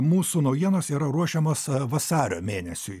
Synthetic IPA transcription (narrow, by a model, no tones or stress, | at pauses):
muːsuːnɐʊjiɛnoːsiːɾɐɾuɔʃʲɛmoːsʋɐsɑːɾʲo̰ːmʲeːnʲɛsʲʊɪ